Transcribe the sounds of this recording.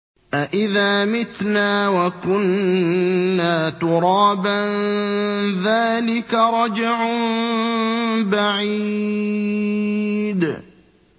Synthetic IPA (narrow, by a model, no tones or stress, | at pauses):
ʔaʔɪðaːmɪt̪naːwakʊnː | aːt̪ʊɾˤɑːban | ðaːlɪkaɾˤɑd͡ʒɪʕm | baʕiː | d̪